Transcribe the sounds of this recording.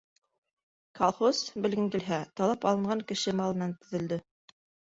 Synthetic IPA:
kɑlˠχosbɘ̆lɡɘŋɡɘ̆lɦæt̪ɑlˠɑpɑlˠɤ̆ɴɢɑŋkɘ̆ʃɘmɑlˠmɘ̆nænt̪ɵ̆ðɘ̆ld̪ɘ

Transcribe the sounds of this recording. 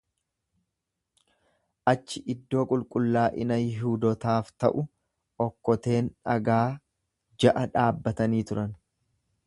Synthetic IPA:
ʔɐt͡ʃːɪʔɪd̪ːo̞ːkʼʊlkʼʊlːaːʔɪnɐjɪɦuːd̪ɔt̪aːft̪ɐ̰ʔʊ | ɔkːɔt̪e̞ːnɐɡaː | d͡ʒɐʔɐᶑaːbːɐt̪ɐniːt̪ʊɾɐn

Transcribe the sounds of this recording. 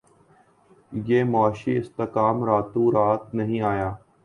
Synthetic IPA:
jeːmaːʃiːɪst̪əkaːmɾaːt̪ũːɾaːt̪nəɦĩːaːjaː

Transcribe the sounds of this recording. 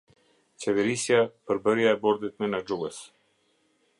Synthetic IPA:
t͡ɕɛvɛɾisjapəɾbəɾjaɛbɔɾd̪it̪mɛnad͡ʒuɡəs

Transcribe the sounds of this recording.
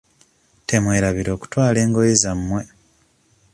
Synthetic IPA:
temwe̞ːɾaβiɾo̞ːku̥twaːle̞ːŋɡo̞jizamːwe̞

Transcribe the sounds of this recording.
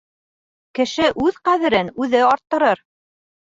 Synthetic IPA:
kɘ̆ʃɘʔʉðqæðɘ̆ɾɘnʉðɘɑɾt̪ːɤ̆ɾɤɾ

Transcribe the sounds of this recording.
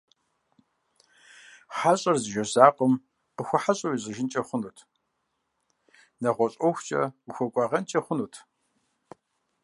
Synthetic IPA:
ħaɕʼɐrzɨʒɐzaːqʷɔm | qəxʷɐħaɕʼɐwizɨʒɪnt͡ʃʼɐχʷʊnuːtʰ | nɐʁʷɔɕʼɔxʷt͡ʃʼɐ̰uxʷɔkʷʼɑːʁɐnt͡ʃʼɐχʷʊnuːtʰ

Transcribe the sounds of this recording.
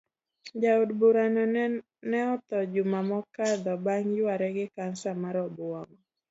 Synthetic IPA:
d͡ʒaʊdbuɾanɔ | nɛɔt̪ɔd͡ʒumamɔkad̪ɔbaŋjʊwaɾɛɡɪkansamaɾɔbʊaŋɔ

